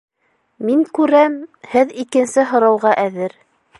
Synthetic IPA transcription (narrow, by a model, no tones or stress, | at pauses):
miŋkʉɾæmhɘðikɘ̆nsɘɦŏɾɑwʁɑʔæðɘɾ